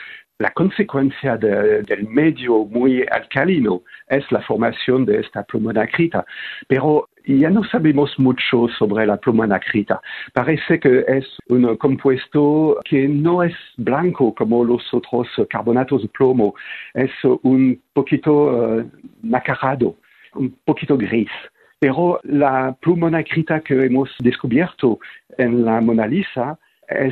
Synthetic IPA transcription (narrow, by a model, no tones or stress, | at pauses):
la̰kɔ̃nsekwɛ̃nsjad̪ed̪ɛlmɛd̪jomuja̰lkalinoɛslafɔʁmasjond̪eɛst̪aplomonakʁit̪apeʁo | ijanosabemosmut͡ʃosobʁelaplomanakʁit̪a̰paʁɛsekəɛsunkɔ̃mpwɛst̪okʰenõɛsblãŋkokɔmolosot̪ʁoskaʁbonat̪ozd̪əplomoɛsunpokit̪oønakaʁad̪o | ũmpokit̪oɡʁis | peʁolaplumanakʁit̪akəɛmosd̪eskubjɛʁt̪oɛnlamonalisa | ɛ̰